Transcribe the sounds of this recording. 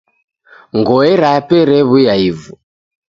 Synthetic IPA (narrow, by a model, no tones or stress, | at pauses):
ŋɡɔɛɾapɛɾɛβujaivu